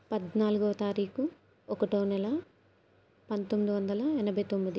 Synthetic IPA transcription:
pɐd̪naːluɡoʋɐt̪aːɾiːku | ɔkɐʈɐːnɛlɐ | pɐnt̪omːid̪iʋɐnd̪ɐlɐɛnɐbʱɐjt̪omːid̪i

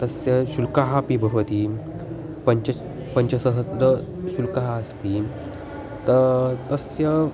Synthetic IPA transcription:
t̪əsjəɕulkaɦapibʱəʋət̪i | pəɲt͡ɕə | pəɲt͡ɕəsəɦəsɾəɕulkaɦaəst̪i | t̪ət̪əsjə

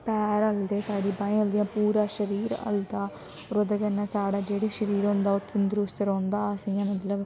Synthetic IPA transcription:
pɛːɾəld̪eːsaːɽiːbaːĩəld̪ijãːpuːɾãːʃəɾiːɾə̰ld̪aː | oɾod̪eɡənːãːsaːɽaːd͡ʒeːɽiːʃəɾiːɾõːnd̪aːʊt̪ʰːend̪ɾuːst̪əɾõːnd̪aːasɪjãːmət̪ləb

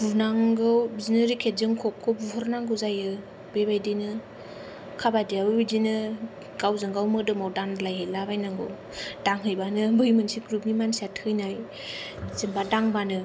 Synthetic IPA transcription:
bunaŋɡɯwbzinɯɾikʰetzɯŋkʰɔkʰːɯbuɦɔɾnaŋɡɯwzajɯ | bebajdenɯ | kʰabadiaɯidinɯ | ɡ̥awzɯŋɡawmɯdɯmawdaŋlajɦelabajnaŋɡɯ̰w | d̥aŋɦɯjbanɯbɯjmɯnsiɡɾup̚nimansiatʰɯjnaj | zɯŋbadaŋbanɯ

